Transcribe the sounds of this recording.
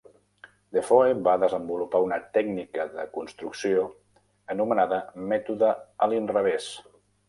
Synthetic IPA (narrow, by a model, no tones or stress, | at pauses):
d̪efoeβaðəzəmbulupaunət̪ɛɡnikəðə̰kunst̪ɾuksio | ənumənaðəmɛt̪uðəəlinrəβ̞es